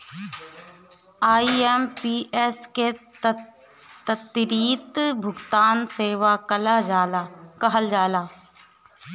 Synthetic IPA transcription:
aːiempiːʔɛske | t̪ət̪ːɪɾiːt̪bʱʊɡt̪aːnseːʋakəla | kəɦəld͡ʒaːlaː

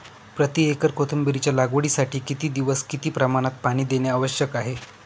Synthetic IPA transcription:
pɾət̪iekəɾkot̪ʰəmbiɾit͡ɕjalaɡʋuɽiːsaʈʰiːkit̪iːd̪iʋəskit̪iːpɾəmaɽ̃at̪̚paɽ̃iːd̪enjaːʋəɕjəkaɦe

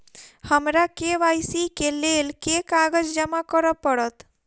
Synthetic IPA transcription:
həmɾakeʋajsikelelkekaɡəd͡ʒd͡ʒəmakəɾəpːəɽət̪

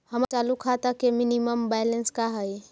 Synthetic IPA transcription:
hɐmt͡ʃaːlukʰat̪akemɪniməmbɛːjlə̃nskaɦəj

